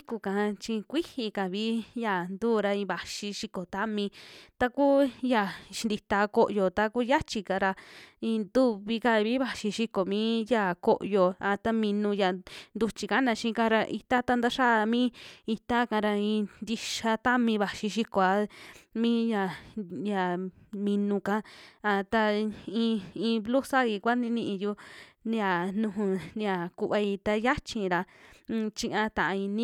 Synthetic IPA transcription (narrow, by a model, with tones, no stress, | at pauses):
i˦ku˧˨kã˨˧t͡ʃi˧kʷi˦hi˧ka˨βi˦ja˧˨nd̪uː˦˨ɾa˧ĩ˧βa˨ʃi˧ʃi˧ko˨t̪a˦mĩ˧t̪a˧ku˦ja˧˨ʃi˧d̪i˧t̪a˧ko˦˧ʔjo˧t̪a˧ku˦ja˦t͡ʃi˧ka˧ɾa˧ĩ˧nd̪u˦βi˧ka˧βi˦βa˧ʃi˧ʃi˧ko˨mĩː˦ja˧˨ko˧ʔjo˧a˧t̪a˦mĩ˧nũ˧ja˨nd̪u˧t͡ʃi˧ka˦nã˧ʃĩ˧˦˧ka˧ɾa˧ʔḭ˧t̪a˦t̪a˦˧nd̪a˦ʃa˦˧mĩː˦i˧t̪a˦kã˧ɾa˧ĩː˧nd̪i˧ʃa˧t̪a˦mĩ˧βa˨ʃi˧ʃi˧ko˨a˧˦mĩ˦ja˧˨ja˨mĩ˧nũ˧kã˦a˧t̪a˧ĩ˧ĩː˧blu˦sa˦i˧kʷa˦nĩ˧˦nĩ˧ʔĩ˧ju˧n˧a˨nũ˧ɦũ˧nja˨ku˧βa˧i˧t̪a˧ja˦t͡ʃĩ˧ɾa˧t͡ʃĩ˧ʔã˧t̪ã˨ʔã˧ĩ˧nĩ˦